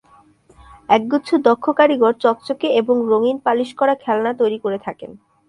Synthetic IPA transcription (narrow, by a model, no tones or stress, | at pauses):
ɛk̚ɡuːt͡ɕʰud̪ɔkʰːokaɾiɡʱoɾt͡ɕɔkt͡ɕokeeboŋɾoŋinpaliʃkɔɾakʰɛlnat̪ojɾikoɾet̪ʰaken